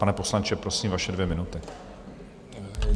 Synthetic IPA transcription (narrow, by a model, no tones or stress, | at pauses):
panɛpo̞slant͡ʃɛpɾo̞siːmvaʃɛdvjɛmɪnut̪ɪ